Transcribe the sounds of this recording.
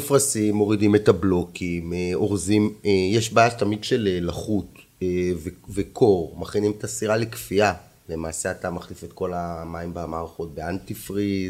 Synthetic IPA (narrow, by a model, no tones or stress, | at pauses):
efʁasimːo̞ʁidime̞tablo̞kimeo̞ʁzimejeʃbaːjatamidʃe̞lelaχut | evevekʰo̞ʁmaχinimetasiʁalekfia | le̞maːseatamaχlife̞tko̞lamaimbamaːʁaχo̞t̚beantifʁiz